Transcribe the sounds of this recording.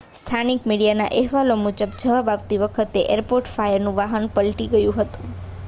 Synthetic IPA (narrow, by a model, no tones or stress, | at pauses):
st̪ʰanikmiɽijana̰ʔɛɦʋalomud͡ʒəbd͡ʒəʋabaʋt̪iʋəkʰət̪eʔeɾpoɾʈfajəɾnũʋaɦənpəlʈiɡəjũɦət̪ũ̥